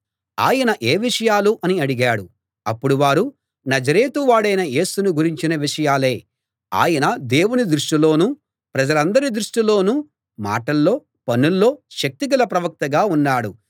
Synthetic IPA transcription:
a̰ːjɐnɐʔeːʋiʂɐjaːluʔɐniɐɽiɡaːɽu | ɐpːuɽuʋaːɾu | nɐd͡ʒɐɾe̞ːt̪uʋaːɽɐjnɐje̞ːsunuɡuɾiɲt͡ʃinɐʋiʂɐjaːle̞ː | a̰ːjɐnɐd̪e̞ːwunid̪ɾuʂʈilo̞ːnuː | pɾɐd͡ʒɐlɐnd̪ɐɾid̪ɾuʂʈilo̞ːnuː | ma̰ːʈɐlːo̞ː | pɐnulːo̞ːʃɐk̚t̪iɡ̬ɐlɐpɾɐʋɐk̚t̪ɐɡaːunːaːɽu

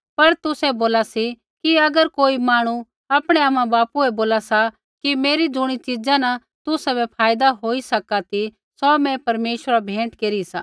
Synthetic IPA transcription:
pɐɾt̪ʊsɛboːlasi | kiɐɡəɾkoːimaːɽ̃u | aːpɽ̃eaːmãbaːpuɛboːlasa | kimeːɾid͡zʊɽ̃it͡ʃɪd͡ʒãna | t̪ʊsɛbɛpʰaːjd̪aɦoːisɐkat̪i | sɔmɛ̃pɐɾmeːʃwəɾabʱẽːʈkeːɾisa̰ː

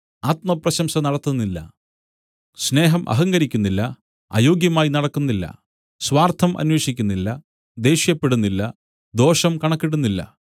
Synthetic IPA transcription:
aːt̪̚mɐprɐɕɐmɕɐnɐɽɐt̪ːunːilːɐ̰ | sne̞ːɦɐmʔɐ̰ɦɐŋɡɐɾikʲːunːilːɐ | a̰ːjo̞ːɡjɐmaːjinɐɽɐkːunːilːɐ̰ | swaːrt̪ʰɐmʔɐ̰nwe̞ːʂikʲːunːilːɐ | d̪e̞ːɕjɐpːe̞ɽunːilːɐ | d̪o̞ːʂɐmkɐɳɐkːiɽunːilːɐ̰

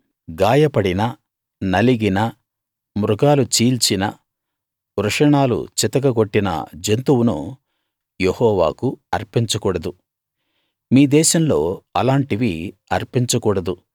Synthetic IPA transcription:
ɡaːjɐpɐɽinɐ | nɐliɡinɐ | mɾuɡaːlut͡ʃiːlt͡ʃinɐ̰ | ɾɐʂɐɳaːlṵt͡ʃit̪ɐkɐɡo̞ʈːinɐ̰d͡ʒent̪uwunṵ | jehɔːʋa̰ːkuɐɾpiɲt͡ʃɐkuːɽɐd̪u | miːd̪ɛːʃɐmlo̞ːɐlaːɳʈiʋiɐɾpiɲt͡ʃɐkuːɽɐd̪u

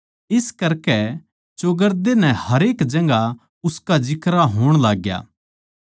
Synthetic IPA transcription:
ɪskɐɾkɛ | t͡ʃoɡəɾd̪enɛ̃hɐɾeːkd͡ʒɐ̃ŋɡa | ʊskad͡ʒɪkɾaɦoːɽ̃laːɡja̰ː

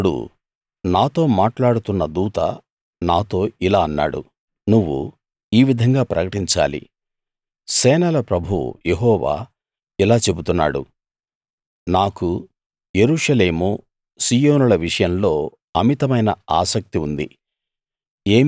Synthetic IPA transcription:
ɽṵ | naːt̪o̞ːmaːʈlaːɽut̪unːɐd̪uːt̪ɐ̰ | naːt̪o̞ːilaːɐnːa̰ːɽṵ | nuʋːṵ | iːʋid̪ʱɐŋɡaːpɾɐkɐʈiɲt͡ʃa̰ːlḭ | sɛːnɐlɐpɾɐbʱuṵje̞ɦɔːʋa̰ː | ilaːt͡ʃe̞but̪unːa̰ːɽṵ | naːku | je̞ɾuːʂɐle̞ːmu | siːjo̞ːnulɐʋiʂɐjɐmlo̞ː | ɐmit̪ɐmɐjnɐ̰aːsɐk̚t̪iund̪ḭ | e̞ː

